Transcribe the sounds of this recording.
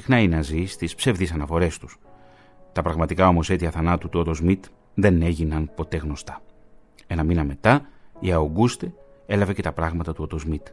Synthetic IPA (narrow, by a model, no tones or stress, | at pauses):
sixnɐineɐzist̪ispse̞vðisɐnɐfo̞ɾe̞st̪u̥s | t̪ɐpɾɐɣmɐt̪ikɐo̞mo̞se̞t̪iɐθɐnɐt̪ut̪uot̪ozmit̪ | ðe̞ne̞ʝinɐnpo̞t̪e̞ɣno̞st̪ɐ̥ | enɐminɐme̞t̪ɐiɐoɡust̪ee̞lɐve̞ce̞t̪ɐpɾɐɣmɐt̪ɐt̪uot̪ozmit̪